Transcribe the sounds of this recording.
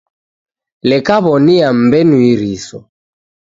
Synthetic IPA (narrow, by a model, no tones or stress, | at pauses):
lɛkaβɔniam̩bɛnuiɾisɔ